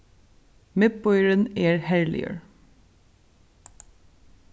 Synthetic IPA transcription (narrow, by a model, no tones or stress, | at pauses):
mɪt̪̚bɔʏəɹəneːɹhæɹlɪ̰ə̰ɹ